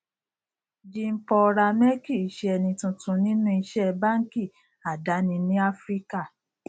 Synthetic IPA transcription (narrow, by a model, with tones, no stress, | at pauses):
d͡ʒi˧m̩˦pɔ˧ɾa˧mɛ˦ki˦˨i˨˦ʃɛ˦˧ɛ˧nĩ˧tũ˧tũ˨˧nĩ˦nũ˦i˧ʃɛ˦ba˦ŋ̩˦ki˦˨ | a˨da˨˦nĩ˧nĩ˦a˦fɾi˦ka˦˨